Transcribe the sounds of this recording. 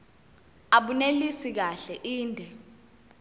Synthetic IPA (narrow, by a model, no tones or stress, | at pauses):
aɓunelisik̬aɬɛʔiːndʱɛ